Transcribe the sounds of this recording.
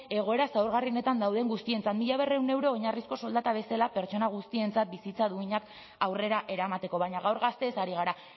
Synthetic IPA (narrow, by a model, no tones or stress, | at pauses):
e̞ɣ̞o̞e̞ɾasawɾɣarione̞t̪and̪awðe̞ŋɡust̪ie̞nt͡sat̪miʎaβ̞e̞re̞wne̞wɾo̞ːɲarisko̞so̞ld̪at̪aβe̞salape̞ɾt͡so̞naɣ̞ust̪ie̞nt͡sat̪̚bisit͡saðuiɲak | awre̞ɾaʔe̞ɾamat̪e̞ko̞βaɲaɣawɾɣast̪e̞saɾiɣ̞aɾa